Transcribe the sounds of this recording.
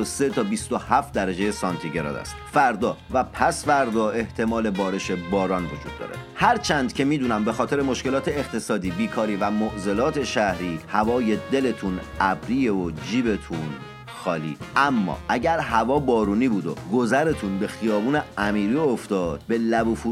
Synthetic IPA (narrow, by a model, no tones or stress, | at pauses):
oset̪ʰɒːbist̪o̞hæft̪̚d̪æɾæd͡ʒe̞je̞sɒnt̪ʰiɟeɾɒ̰ːd̪æ̰st̪fæɾd̪ɒːvæpʰæsfæɾd̪ɒːe̞ht̪ʰe̞mɒːle̞bɒːɾe̞ʃe̞bɒːɾɒːnvo̞d͡ʒuːd̪ːɒ̰ːɾe̞̰hæɾt͡ʃʰænd̪̥̚cʰe̞miːd̪uːnæmbe̞xɒːt̪e̞ɾe̞mo̞ʃke̞lɒːt̪ʰe̞ːχt̪ʰe̞sɒːd̪iːbiːkʰɒːɾiːvæmoʔze̞lɒːt̪ʰe̞ʃæhɾiːhævɒːje̞d̪e̞le̞t̪ʰunæbɾiːjeod͡ʒiːbe̞t̪ʰun | xɒːlḭːʔæmːɒ̰ːʔæɟæɾɦævɒːbɒːɾuːniːbuːd̪oɡo̞zæɾe̞t̪ʰunbe̞xijɒːbuːneæmiːɾioft̪ɒːd̪̥̚be̞læbuːfu